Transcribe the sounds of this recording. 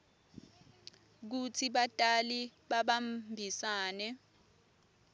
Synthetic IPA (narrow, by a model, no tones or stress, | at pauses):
k̬utʰiɓatʼaliɓaɓambʱisaːnɛ